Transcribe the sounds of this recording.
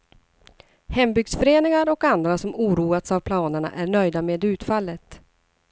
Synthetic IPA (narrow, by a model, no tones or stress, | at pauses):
hɛmbʏɡsfœɾeːnɪŋaɾɔkand̪ɾasɔmuːɾuːat̪savpʰlɑːnəɳa̰ʔæɳœjd̪ameːd̪ʉ̟ːt̪falːət̪